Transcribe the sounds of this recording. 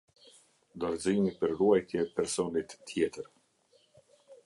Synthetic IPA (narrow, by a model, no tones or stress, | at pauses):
d̪ɔɾzimipəɾruajt̪jɛpɛɾsɔnit̪ːʰjɛt̪əɾ